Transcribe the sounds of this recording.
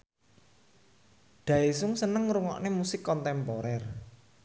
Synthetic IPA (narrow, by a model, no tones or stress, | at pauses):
ɖ̪̥ä̤esʊŋsənəŋɾuŋɔ̰ʔnemusɪkːɔnt̪ɛmpɔɾɛr